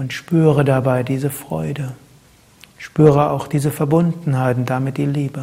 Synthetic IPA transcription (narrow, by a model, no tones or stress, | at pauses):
ʔʊntʃpyːʁədabaɪdiːzəfʁ̥ɔ̰ʏdə | ʃpyːʁəa̰ʊxd̥iːzəfɛɐbʊndn̩haɪtn̩td̥amɪt̚d̥iːliːbə